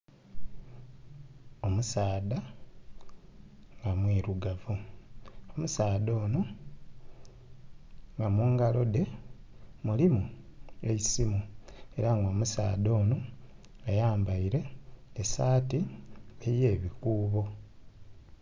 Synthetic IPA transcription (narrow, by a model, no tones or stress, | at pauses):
o̞musaːda | ŋɡamwiːɾuɡavu | omusaːdo̞ːno | ŋɡamuːŋɡalo̞de̞ | mulimueisimue̞ɾaŋɡoːmusaːdo̞ːno | ajaːmbaiɾe̞ːsaːtieje̞ːβikuːβo̞